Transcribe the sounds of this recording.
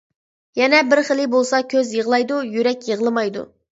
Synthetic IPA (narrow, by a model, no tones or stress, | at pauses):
jɛnɛbɪɾχəlˠɪbolˠsɑkʲʰøzjəʁəlˠɑjd̪ujyɾɛkʲjəʁəlˠɨmɑjd̪ṵ